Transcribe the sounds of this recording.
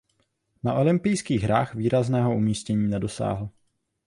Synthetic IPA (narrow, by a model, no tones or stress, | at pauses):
naʔo̞lɪmpɪjskiːɣɦɾaːxviːɾaznɛːɦo̞umiːscɛɲiːnɛdo̞sa̰ːɦl̩